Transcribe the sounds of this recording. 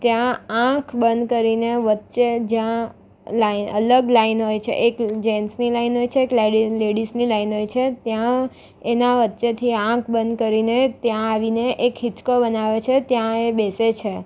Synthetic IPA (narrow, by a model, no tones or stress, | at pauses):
t̪jããkʰbənd̪kəɾineʋətːʃed͡ʒjã | lainə̰ləɡlainɦojt͡ʃʰḛʔekd͡ʒensnilainɦojt͡ʃʰeːkleɖileɽisnilainɦojt͡ʃʰet̪jã | enaʋətːʃet̪ʰiãkʰbənd̪kəɾinet̪jãaʋineʔekɦit͡ʃkobənaʋet͡ʃʰet̪jãebeset͡ʃʰe